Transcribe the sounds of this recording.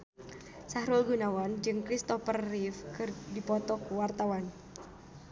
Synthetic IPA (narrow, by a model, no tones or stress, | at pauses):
sahɾulɡunawand͡ʒɨŋkɾist̪ɔfərːifkɨrdipɔt̪ɔkuwart̪awan